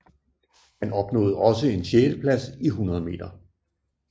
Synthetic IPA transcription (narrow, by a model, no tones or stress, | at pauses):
hænɒ̽b̥nɔ̰̽ːð̞̩ˠɒ̽səe̝nɕeːləpʰlæsiɦunɐð̞̩ˠəme̝̰ːd̥ɐ